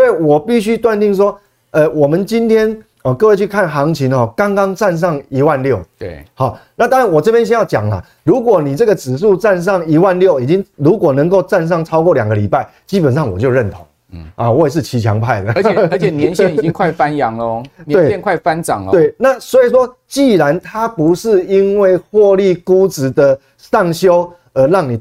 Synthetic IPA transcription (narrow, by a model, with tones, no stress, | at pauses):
swɔ˧˥i˨wɔ˨˩pi˥˨ɕy˦˥t̪wa˥˧nt̪i˥˩ŋʂ̬wɔ˥ | ə˧wɔ˨˩mə˦nt͡ɕi˦nt̪ʰjɛ˥n | ɔ˨˩kɤ˥˧we˥˧ɪt͡ɕʰy˥˧˩kʰa˥˩nxɑ˧˦˥ŋt͡ɕʰi˧˥nxɔ˥˨kɑ˥ŋkɑ˥ŋt͡sa˥˧nʂ̬ɑ˥˩ŋi˧˥wa˥˧nljo˥˩ʊhɑ˨˩˦na˥˩t̪a˥ŋɻa˧˦nwɔ˨˩t͡sɤ˥˧pjɛ˥nɕ̬jɛ˥˦jɑ˥˩ʊt͡ɕjɑ̰˨˩ŋlɐ̰˨ | ɻu˧˦˥kwɔ˨˩ni˨˩t͡sɤ˥˩ɡə˨t͡sɹ̩˨˩s̬u˥˧t͡sa˥˧ns̬ɑ˥˩ŋi˧˥wa˥˧nljo˥˨ʊi˨˩t͡ɕi˦ŋɻu˧˦˥kwɔ˨˩nə˧˦ŋko˥˧ʊt͡sa˥˧nʂ̬ɑ˥˩ŋt͡sʰɑ˥ʊkwɔ˥˩lja˨˩ɡə˩li˨˩pa˥˩ɪ | t͡ɕi˦˥pə˨˩nʂɑ˥˩ŋwɔ˨˩t͡ɕjo˥˧ʊɻə˥˩nt̪ʰo˨˦ŋ | a˨wɔ˧˦˥e˨˧ʂ̬ɻ̩˥˩t͡ɕʰi˧˥t͡ɕʰjɑ˧˦ŋpʰa˥˩ɪlə˨˩˧ə˧˦t͡ɕʰɛ˨˩njɛ˧˦nɕɛ˨ni˨i˦ŋkʰwa˥˨ɪfa˦njɑ˨˦ŋlə˧t̪ee˥˩ɪɛ˥˧nkʰwa˥˩ɪfa˦nʈ͡ʂɑ̰˨˩ŋlt̪we˥˩ɪna˥˨swɔ˧˥i˨˩s̬wɔ˦˥t͡ɕi˥˨˩ɻa˧˦nt̪ʰa˦pu˧˦ʂɻ̩˥˧i˦˥nwe˥˩ɪxwɔ˥˧li˥˧ku˦t͡sɹ̩˨˩d̪ə˧ | sɑ˥˩ŋɕjo˥ʊ | ə˧˥ɻɑ˥˩ŋni˨˩